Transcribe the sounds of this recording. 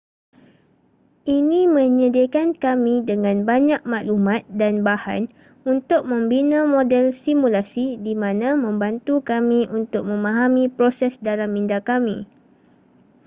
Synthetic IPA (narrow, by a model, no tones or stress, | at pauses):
ʔinĩmə̃ɲədakankamĩdəŋãnbaɲak̚maʔlumãt̪̚danbaha̰n | unt̪ʊk̚mə̃mbinãmodɛlsimulasidimãnãmə̃mbant̪ukamĩʔunt̪ʊk̚mə̃mãɦamĩpɾosɛsdalamindakamĩ